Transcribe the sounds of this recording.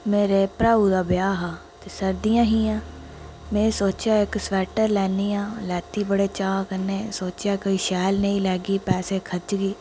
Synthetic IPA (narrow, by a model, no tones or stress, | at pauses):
meːɾeːpɾaːuːd̪aːbɪjaːɦaː | t̪eːsəɾd̪ijãːɦiːãː | mẽːsoːt͡ʃjaːɪksʋɛːʈəɾlɛːniːãːlɛːt̪iːbəɽeːt͡ʃaːkəneːsoːt͡ʃjaːkoːiːʃɛːlnəĩːlɛːɡiːpɛːseːkʰət͡ʃɡiː